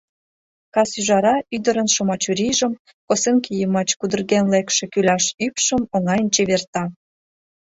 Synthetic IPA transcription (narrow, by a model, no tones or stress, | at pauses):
kɑsyʒɑɾɑʔyd̪əɾənʃomɑt͡ɕuɾiʒəm | koseŋkijəmɑt͡ɕkud̪ə̆rɣenlekʃĕkylɑʃypʃəmoŋɑjənt͡ɕeβert̪ɑ